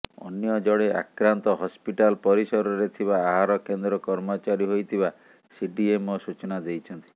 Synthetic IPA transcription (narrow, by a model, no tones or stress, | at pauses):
ɔ̰njɔd͡ʒɔɽeʔa̰kɾant̪ɔɦɔspiʈalpɔɾisɔɾɔɾet̪ʰibaːɦaɾɔkend̪ɾɔkɔɾmɔt͡ʃaɾiɦojt̪ʰiba | siɖiemɔsut͡ʃɔnad̪ejt͡ʃʰɔnt̪i̥